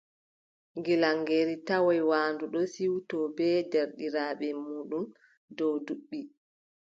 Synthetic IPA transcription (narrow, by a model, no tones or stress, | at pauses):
ŋɡilaŋɡeɾitawɔjwaːnduɗɔsiwtɔbɛdɛɾɗiɾaːɓɛmuːɗum | dɔwduɓːi